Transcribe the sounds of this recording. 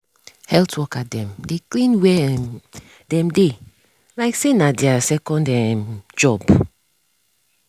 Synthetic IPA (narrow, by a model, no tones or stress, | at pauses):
hɛltʰwɔkadɛ̃mdeklĩnwɛ | dɛ̃mde | laɪksenadɛasɛkɔ̃ndɛ̃md͡ʒɔb